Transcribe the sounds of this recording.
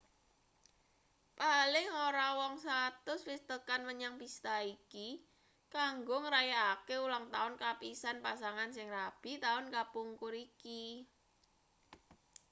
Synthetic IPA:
palɪŋoɾawɔŋsat̪ʊsfist̪əkanməɲaŋpist̪aiki | kaŋɡʊŋəɾajaakeulaŋt̪aʊnkapisanpasaŋansɪŋrab̥i̤t̪aʊnkapuŋkʊɾiki

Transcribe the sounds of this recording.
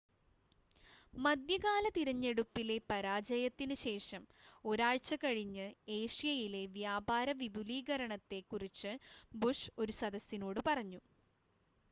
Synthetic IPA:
mɐd̪jɐɣaːlɐt̪iɾɐɲːe̞ɽupːile̞pɐɾaːd͡ʑɐjɐt̪ːinɨɕe̞ːʂɐmo̞ɾaːɻt͡ɕːɐkɐɻiɲːɨe̞ːʂjɐjile̞ʋjaːbʱaːɾɐʋibʱuliːɡɐɾɐɳɐt̪ːe̞kːurit͡ɕːɨbuʂo̞ɾusɐd̪ɐsːino̞ːɽɨpɐrɐɲːu

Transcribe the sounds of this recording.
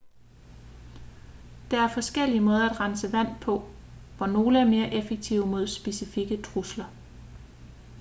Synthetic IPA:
d̥ɑ̈æɐfɒ̽sɡ̥el̰iəmɔ̽ːð̞ˠɐæd̥ʁɑansəʋæn̰pʰɒ̽ʋɒno̝ːləæɐme̝ːɐʔefeɡ̥̚t͡sʰiʊ̰mo̝ð̞ˠsb̥e̝sifiɡ̥ət͡sʰʁuslɐ

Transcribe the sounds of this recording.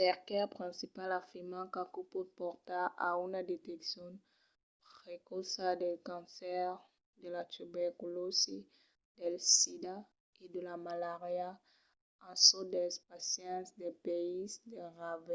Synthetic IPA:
pɛʁkeapʁĩnsipalafiʁmãkakupɔd̪̚pɔɾt̪aa̰unad̪et̪eksjɔ̃n | pʁekɔsad̪elkãnsɛʁ | d̪elat̪ubɛɾkulosi | d̪elsid̪a | ed̪elamalaʁja | ãsod̪ɛspasjɛ̃nsd̪epeisd̪eʁave

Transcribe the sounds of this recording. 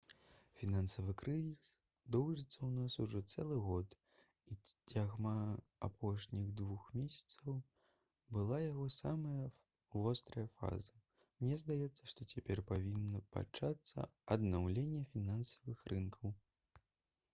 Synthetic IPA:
fʲinansɐvɨkɾɨzʲis | d̪ɔwʐɨt̪sːɐwnasuʐɔt̪sɛlˠɨɣɔt̪ | it͡sʲaɣma | apʰɔʂnʲiɣd̪vuxmʲesʲɐ̥t̪sɐw | bɨlˠajaɣɔsamɐjɐ | vɔst̪ɾɐjɐfa̰zɐ | mnʲɛzd̪ajɛt̪sːɐʂt̪ɔt͡sʲapʲɛrpavʲinːɐpa̰t͡ʂat̪sːɐ̰ɐd̪nawlʲenʲːɛfʲinansɐvɨxɾɨnkʰɐw

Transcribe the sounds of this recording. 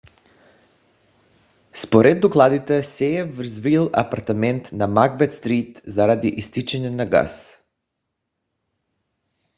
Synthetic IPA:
spoɾɛd̪ːoklˠad̪it̪ɛsɛɛvɾzvilˠa̰paɾt̪amɛnt̪namaɡbɛt̪st̪ɾit̪zaɾad̪iʔist̪it͡ʃɛɲɛnaɡa̰s

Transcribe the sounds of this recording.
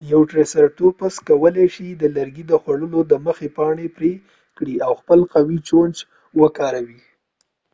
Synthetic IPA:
jawʈɾesaɾʈ̪opaskawəleʃid̪əlaɾɡid̪əxwaɽəlod̪əməxepɑɳepɾe | kɽiawxpəlqawit͡ʃond͡ʒ | wəkɑɾawi

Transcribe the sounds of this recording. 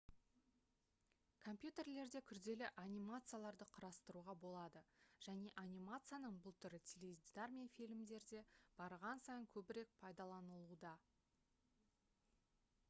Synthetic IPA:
kʰo̞mpjut̪e̞rle̞ɾd̪e̞kʲʰʏɾd̪e̞lɪʔanʲijmat̪sɨjalˠɑɾd̪əqʰəɾɑst̪əɾuʁɑbo̞lˠɑd̪əʒ̥æne̞ʔanʲijmat̪sɨjanəɴbʊlˠt̪ʰʏɾɪt̪ʲʰeled̪ʲd̪armʲijafʲilʲɪmd̪e̞ɾd̪e̞b̥ɑɾʁɑnsɑjəŋkʲʰɵbɪɾe̞k̚pʰɑjd̪ɑlˠɑnəlˠud̪ɑ

